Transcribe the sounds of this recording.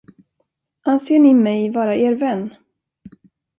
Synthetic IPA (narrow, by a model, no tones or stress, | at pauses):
ʔanseːɳɪmɛjvɑːɾaʔeːɾvɛnː